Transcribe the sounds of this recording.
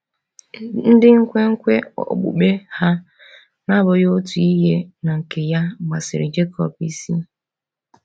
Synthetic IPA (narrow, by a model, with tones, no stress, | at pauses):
n̩˦dɪ˦ŋ̩˦kʷe˦ŋ̩˦kʷe˦ɔ̰˨ɡ͡bṵ˨ɡ͡be˦ha˦ | na˦bʊ˨jo˦tu˨i˦ɦe˦na˨ŋ̩˨ke˨ja˦ɡ͡ba˨sɪ̰˨ɾɪ̰˨d͡ʒe˦kʰɔ̰˨pi˦si˦